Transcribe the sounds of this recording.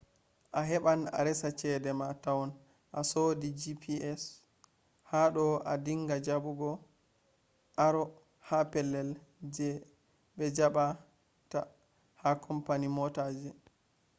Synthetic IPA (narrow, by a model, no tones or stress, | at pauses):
ʔaɦɛɓana̰ɾɛsat͡ʃɛdɛmatawɔn | ʔasodid͡ʒipʰiɛs | haɗɔadiŋɡad͡ʒaɓuɡɔ | ʔaɾɔ | hapɛlːɛld͡ʒɛ | ɓɛd͡ʒaɓa | ta | hakʰɔmpanimɔtad͡ʒɛ